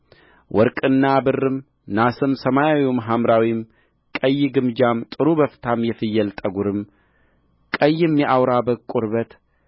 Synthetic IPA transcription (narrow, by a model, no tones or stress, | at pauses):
wʔɔɾkʼɨnːabɨrːɨm | nasɨmsəmajawiwumɦamɾawim | kʼəjːɪɡɨmd͡ʒamt̪ʼɨɾubəft̪ʰamjɛfɨjːɛlt̪ʼəɡuɾɨm | kʼəjːɨmjɛʔawɾabəkʼːuɾbət̪